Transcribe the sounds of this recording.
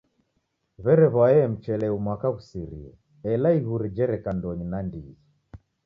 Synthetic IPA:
βɛɾɛβaɛm̩t͡ʃɛlɛumwakaɣusiɾḭɛ̰ | ɛlaiɣuɾid͡ʒɛɾɛkandɔɲinandii

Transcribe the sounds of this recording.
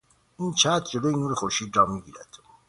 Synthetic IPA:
int͡ʃʰæːt̪ʰd͡ʒeloinuɾexoɾʃidɾɑmːiɡiːɾæd̪̥

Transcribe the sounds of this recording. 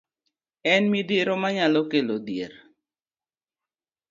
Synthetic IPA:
ɛnmideɾomaɲalokelodjeɾ

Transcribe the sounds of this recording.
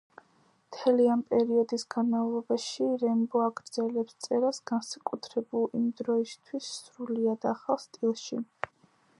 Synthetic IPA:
mt̪ʰɛliampʼɛɾiɔd̪isɡanmavlˠɔbaʃiɾɛmbɔaɡɾd̪zɛlɛpst̪sʼɛɾasɡ̥ansakʼut̪ʰɾɛbulˠimd̪ɾɔist̪ʰwisːɾuliad̪aχalˠst̪ʼilˠʃi

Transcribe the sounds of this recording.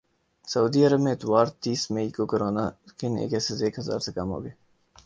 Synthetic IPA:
sɐuːd̪iɐɾəbmẽɪt̪waːɾt̪iːsmeiːkokəɾoːnakʰɪnḛːkɛsezeːkɦɐza̰ːɾsekɐmɦo̰ːɡeː

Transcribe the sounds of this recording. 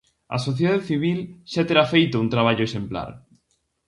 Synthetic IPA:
ɐ̰soθjeðaðeθiβilʃat̪eɾafejt̪ount̪ɾaβ̞aʎʊesempla̰ɾ

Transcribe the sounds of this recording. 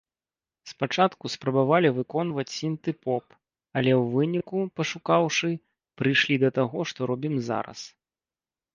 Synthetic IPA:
spat͡ʂat̪kuspɾɐbavalʲivɨkɔnvɐt͡sʲsʲint̪ɨpɔp | ɐlʲɛwvɨnʲikupɐʂukawʂɨ | pɾɨjʂlʲid̪ɐt̪aɣɔʂt̪ɔɾɔbʲimza̰ɾɐ̰s

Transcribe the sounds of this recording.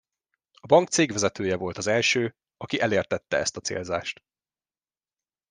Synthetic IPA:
ɒbɒŋkt̪seːɡʋɛzɛt̪øːjɛvo̞lt̪ɒzɛlʃøː | ɒkiʔɛleːrt̪ɛt̪ːɛ̰ɛ̰st̪ɒt̪sḛːlza̰ːʃt̪

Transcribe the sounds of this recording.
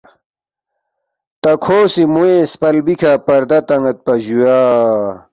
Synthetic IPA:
t̪ɐkʰoːsimuespɐlbikʰapɐɾd̪ɐt̪ɐŋɐt̪̚pɐʑujaː

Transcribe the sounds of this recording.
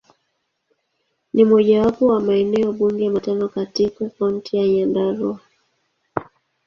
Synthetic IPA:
nimɔʄawapɔwamaɛnɛɔɓuŋɡɛmatanɔkatikakauntijaɲandaɾɔ

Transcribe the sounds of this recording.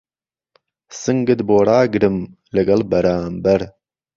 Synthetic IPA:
sɨŋɡɨd̪boːɽaːɡɾɨm | ləɡɐlbɐɾaːmbɐɾ

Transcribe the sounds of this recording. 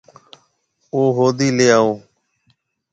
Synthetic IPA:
oːɦoːd̪iːleːaːɦoː

